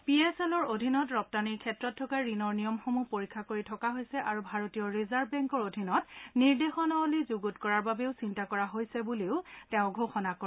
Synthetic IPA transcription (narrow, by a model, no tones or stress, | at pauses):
piesɛlɔɹodʱinɔtɹɔp̚taniɹkʰɛtɹɔtʰːɔkaɹinɔɹnijɔmxomupoɹikʰːakoɹitʰɔkaɦojsɛʔaɹubʱaɹotijɔɹizaɹbbɛŋkɔɹodʱinɔtniɹdexɔnɔlizuɡutkɔɹaɹbabeʊsintakɔɹaɦojsɛbuleʊtɛʊ̃ɡʱoxɔnakɔ